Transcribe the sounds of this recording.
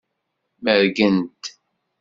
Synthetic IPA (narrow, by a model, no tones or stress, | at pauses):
məɾɡənt̪